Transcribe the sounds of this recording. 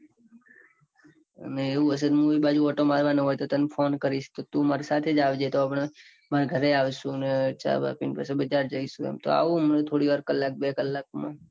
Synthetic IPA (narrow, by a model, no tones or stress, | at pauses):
neeʋũəs̬əd̪mũʋibad͡ʒuɔʈomaɾʋanəɦojt̪ot̪ənfʰonkəɾiʃt̪ot̪ũmaɾisat̪ʰed͡ʒaʋd͡ʒet̪oapəɳ | maɾaɡʱəɾeaʋʃũnet͡ʃa̰ba̰pinpa̰sebəd͡ʒaɾd͡ʒəiʃũḛmt̪o̰a̰ʋũmənet̪ʰoɽiʋaɾkəlːak̚bekəlːak̚mã̰